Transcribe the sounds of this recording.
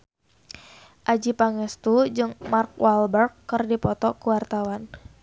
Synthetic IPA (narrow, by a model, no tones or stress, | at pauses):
ʔad͡ʒipaŋɛst̪ud͡ʒɨŋmark̚walbərkːɨrdipɔt̪ɔkuwart̪awan